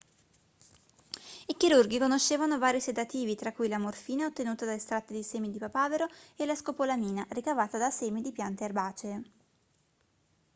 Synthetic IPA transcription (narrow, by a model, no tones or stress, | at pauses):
ikiɾurɡikonoʃːeːvanovaːɾised̪at̪iːvit̪ɾakːujlamorfiːnaot̪ːenuːt̪ad̪alest̪ɾat̪ːed̪iseːmid̪ipapaːveɾoelːaskopolamiːnaɾikavaːt̪ad̪aseːmid̪ipjant̪earbaːt͡ʃe